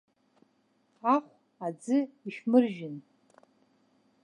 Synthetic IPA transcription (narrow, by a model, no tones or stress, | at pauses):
aχʷ | ad͡zɨiʃmɨrʒɪn